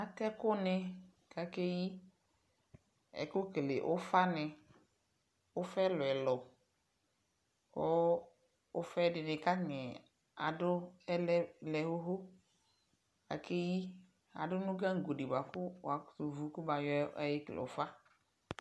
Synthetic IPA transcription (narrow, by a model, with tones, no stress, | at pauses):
a˨t̪ɛ˦kʊ˦nɪ˧ | ka˨ke˦ji˦ | ɛ̰˨kʊ˦klḛ˨ʔʊ˦fa˦nɪ˨ | ʊ˦fɛ˦lʊ˨ɛ˨lɔ˨ | kʊ˦ | ʊ˦fɛ˦dɪ˨nɪ˨ka˦ɲɛ˨ | a̰˨dʊ˦ɛ˦lɛ˦lɛ˨ɦʊ˦ɦo˦ | ka̰˨ke˦ji˦ | a̰˨dʊ˦nʊ̃˦ɡa˦ŋ̩˨ɡo˨di˨ba˨kʊ˦wa˨kso˨vu˨˦kʊ˦ba˨jɔ˦ɛ˦jɪ˦klḛ˨o˨˦fa˦